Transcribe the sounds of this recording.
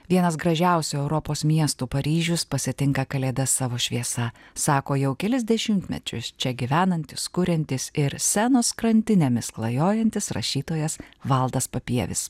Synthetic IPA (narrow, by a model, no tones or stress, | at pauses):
ʋʲiɛnɐsɡɾɐʒʲæˑʊsʲuɛʊɾɔpoːsmʲiɛst̪uːpɐɾʲiːʒʲʊspɐsʲɪt̪ʲɪŋkɐkɐlʲeːd̪ɐsɑːʋoːʃʲʋʲiɛsɐsɑːkoːjɛʊkʲɛlʲɪzʲd̪ʲɛʃʲɪmt̪ʲmʲɛ̰t͡ʃʲʊ̰st͡ʃʲɛɡʲɪʋʲæːnɐnʲt̪ʲɪskʊɾʲɛnʲt̪ʲɪsɪɾsʲænoːskɾɐnʲt̪ʲɪnʲemʲɪsklˠɐjoːjɛnʲt̪ʲɪsɾɐ̰ʃʲiːt̪oːjɛsʋɐlˠd̪ɐspɐpʲiɛʋʲɪ̰s